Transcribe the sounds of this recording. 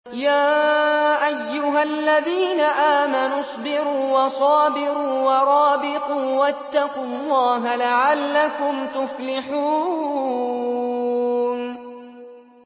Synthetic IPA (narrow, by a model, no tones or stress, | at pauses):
jaːʔajːʊɦalːaðiːnaʔaːmanʊsˤbɪɾuːwɑsˤɑːbɪɾuːwɑɾˤɑːbɪquːwat̪ːɑqʊlˤːɑːɦalaʕalːakʊmt̪ʊflɪħuː | n